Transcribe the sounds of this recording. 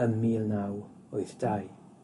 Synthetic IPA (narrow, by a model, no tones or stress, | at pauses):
ənmiːlˠnaw | ɔɨθd̥aj